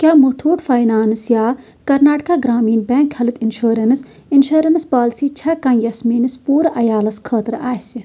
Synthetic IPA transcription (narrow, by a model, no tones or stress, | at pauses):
kʲjaːmut̪ʰuːʈfɐːjnaːnɨsjaː | kɐɾnaːʈkaːɡɾaːmiːnbẽːŋkhɐlut̪inʃuːɾɐnɨs | inʃuːɾɐnspaːlsiːt͡ʃʰɐkɐ̃njɐsmiːnɨspuːɾʔɐjaːlɐskʰəːt̪ɾaːhsi